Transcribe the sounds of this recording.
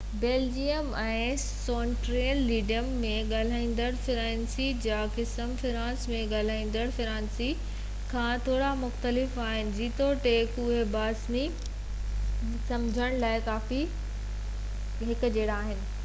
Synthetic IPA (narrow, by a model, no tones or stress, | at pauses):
beːld͡ʑiəmɛ̃ː | soːnʈɾeːəlːiːɖijəmːẽɠaːl̤aːĩːn̆d̪əɽfɪɾãːnsid͡ʑaːkɪsəmfɪɾãːsmẽɠaːl̤aːĩːn̆d̪əɽfɪɾãːnsi | kʰãːt̪ʰoːɽamʊxt̪əlɪfaːɦɪnɪ̆d͡ʑiːt̪oʈeːkʊɦebaːsmi | sɐ̃md͡ʑʱəɽ̃laːɪkaːfi | ɦɪkʊ̆d͡ʑeːɽaːɦɪnɪ̆